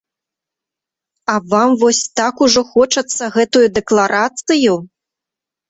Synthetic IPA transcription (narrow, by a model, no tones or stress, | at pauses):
ɐvamvɔsʲt̪akuʐɔxɔt͡ʂɐt̪sːɐɣɛt̪ujud̪ɛklˠaɾʔat̪sɨju